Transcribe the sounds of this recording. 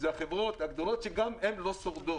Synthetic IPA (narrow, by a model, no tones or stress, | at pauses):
zeaχevʁo̞t̪haɡd̪o̞lo̞t̪ʃeɡamemlo̞soʁd̪o